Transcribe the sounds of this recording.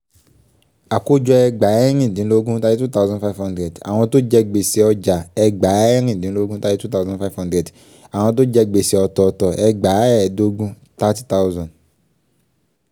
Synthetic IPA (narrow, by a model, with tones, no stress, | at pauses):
a˨ko˦d͡ʒɔ˧ɛ˧ɡ͡ba˨˦ɛ˦ɾ̃ĩ˦˨dĩ˨˦lo˦ɡũ˦ta˦d͡ʒe˦tu˦ta˦˧zɔ̃˨fa˦vhɔ̃˦ndɾɛ˨da̰˨w̃ɔ̃˧to˦d͡ʒɛ˧ɡ͡be˨si˨ɔ˧d͡ʒa˨ɛ˧ɡ͡ba˨˦ɛ˦ɾ̃ĩ˦˨dĩ˨˦lo˦ɡũ˦ta˦d͡ʒtu˦ta˦zɔ̃˨fa˦vhɔ̃˦dɾɛ˨d | a˨w̃ɔ̃˧t̬o˦d͡ʒɛ˧ɡ͡be˨sɛ˨ɔ˧tɔ˨˧tɔ˨ʔɛ˧ɡ͡ba˨˦ɛ˦˨do˧˦ɡũ˦ | ta˦ti˦ta˦u˦zɔ̃˨n